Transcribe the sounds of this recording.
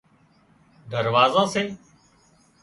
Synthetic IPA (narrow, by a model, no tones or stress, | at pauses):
d̪əɾʋaːzãːseː